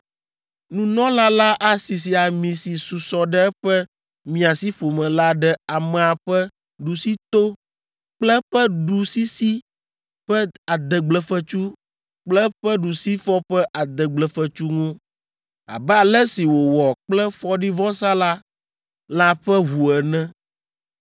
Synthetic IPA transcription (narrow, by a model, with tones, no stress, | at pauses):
nũ˦nɔ̃˦la˦la˦ʔa˦si˨s̬i˨a˨mĩ˨si˨su˨sɔ˨ɖɛ˦ɛ˦ɸɛ˦ | mĩ˨a˨si˦ɸo˨mɛ̃˨la˦ɖɛ˨a˨mɛ̃˨a˨ɸɛ˦ | ɖu˨si˦t̪o˦ | k͡plɛ˦ɸɛ˦ɖu˨si˦si˦ | ɸɛ˦a˨d̪ɛ˨ɡ͡blɛ˨fɛ˨t͡ʃu˦ | k͡plɛ˦ɸɛ˦ɖu˨si˦fɔ˦ɸɛ˦ʔa˨d̪ɛ˨ɡ͡blɛ˨fɛ˨t͡ʃu˦ŋũ˦ | a̰˨bɛ˦a˨lɛ˦si˨wo˨wɔ˨k͡plɛ˦fɔ˦ɖi˦vɔ˦sa˦la˦ | la˦ɸɛ˦ɦu˨ɛ˨nɛ̃˦